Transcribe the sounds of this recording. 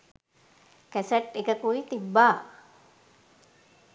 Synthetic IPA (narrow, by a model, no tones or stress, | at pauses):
kæsəʈːekəkuit̪ibːaː